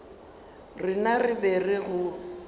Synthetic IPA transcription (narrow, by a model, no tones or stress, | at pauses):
rɪnarɪbɛrɪɣʊ